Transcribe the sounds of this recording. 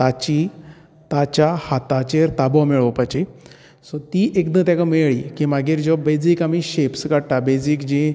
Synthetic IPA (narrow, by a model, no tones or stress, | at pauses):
t̪at͡ɕi | t̪at͡ɕahat̪at͡ɕeɾt̪abɔmeɭopat͡ɕi | sɔt̪iːʔekd̪ə̃t̪jakameɭiːkimaɡiːɾd͡ʑɔbed͡zikamiɕepsɡaɽʈ̪abed͡zikd͡ʑĩ